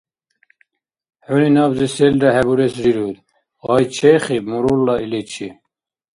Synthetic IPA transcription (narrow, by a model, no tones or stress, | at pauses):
ħuninɑːbziseld̪aɦɛbuɾɛsɾiɾud̪ | ɑjt͡ʃʰɛχimuɾulːɑilet͡ʃʰi